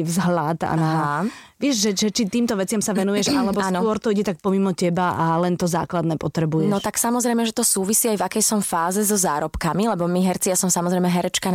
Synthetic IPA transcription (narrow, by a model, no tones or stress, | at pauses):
vzɦlad̪a̰naʋɪɛʒʒɛʒɛt͡ʃit̪iːmt̪ɔʋɛt͡sɪamsaʋɛnujɛʃalɛbɔsnkʊɔɾt̪ɔiɟɛt̪ak̚pɔmimɔcɛbaʔalɛnt̪ɔza̰ːklad̪nɛːpɔt̪ɾɛbujɛnɔt̪aksamɔzɾɛjmɛʒɛt̪ɔsuːʋisiːajvakɛjsɔmfaːzɛzɔzaːɾɔpkamilɛbɔmiɦɛɾt͡sijasɔmsamɔzɾɛjmɛɦɛɾɛt͡ʃka